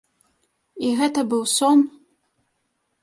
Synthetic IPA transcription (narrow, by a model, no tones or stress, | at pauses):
iɣɛt̪ɐbɨwsɔm